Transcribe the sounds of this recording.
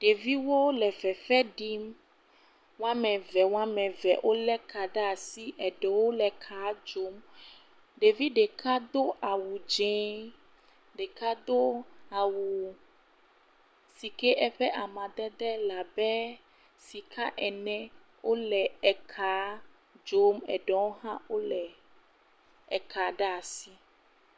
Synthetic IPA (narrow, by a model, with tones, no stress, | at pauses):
ɖe˨vi˦wo˦lɛ˨vɛ˨fɛ˦ɖi˦m | wã˦mɛ̃˨vɛ˨wa˦mɛ̃˨vɛ̰˨ʔo˦lɛ˦kʰa˨ɖa˦a˨si˦ʔɛ˨ɖɛ˨wo˦lɛ˨kʰa˨˦d͡ʒo˦m | ɖe˨vi˦ɖɛ˨kʰa˦d̪o˦ʔa˨wu˨d͡ʒɛ̃˦ | ɖɛ˨ka˦d̪o˦a˨wu˨ | si˨kɛ˦ʔɛ˦ɸɛ˦ʔa˨mã˨d̪ɛ˦d̪ɛ˦la˨bɛ˦ | si˨kʰa˦ʔɛ˨nɛ̃˦ | wʔo˦lɛ˨ɛ˨kʰa˨˦ | d͡ʒo˦mɛ̰˨ɖɔ˨wo˦ɦã˦wo˦lɛ˨ | ɛ˨ka˨ɖa˦a˨si˦